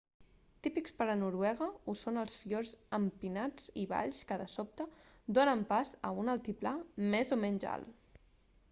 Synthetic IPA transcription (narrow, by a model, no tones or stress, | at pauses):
t̪ipikspəɾənuɾwɛɣ̞əusonəlˠsfjoɾzəmpinad͡ziβa̰ʎskəðəsɔp̚t̪əd̪onəmpazə̰unəlˠt̪iplamɛzomɛɲʲʒa̰l